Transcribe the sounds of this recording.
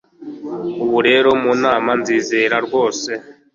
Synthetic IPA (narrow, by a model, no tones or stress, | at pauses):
uβuɾe̞ːɾo̞munaːmanziːzeɾaɾɡwo̞ːse̞